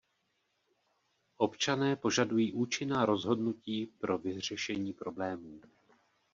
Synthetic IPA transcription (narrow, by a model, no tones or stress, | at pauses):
ʔo̞pt͡ʃanɛːpo̞ʒadujiːʔuːt͡ʃɪnaːɾo̞zɦo̞dnuciːpɾo̞vɪr̝ɛʃɛɲiːpɾo̞blɛːmuː